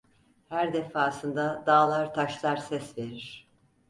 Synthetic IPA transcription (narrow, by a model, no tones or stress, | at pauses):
hæɾd̪efaːsɯnd̪ad̪aːlˠaɾt̪ʰaʃlˠaɾsɛsve̞ɾiɾ̥